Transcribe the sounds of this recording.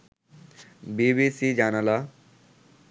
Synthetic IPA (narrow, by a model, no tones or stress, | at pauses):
bibisid͡ʒanala